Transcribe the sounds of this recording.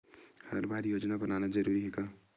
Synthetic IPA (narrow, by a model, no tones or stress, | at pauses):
hə̰ɾbʱaɾjod͡ʒnabənanad͡ʒəɾuɾiɦeɡa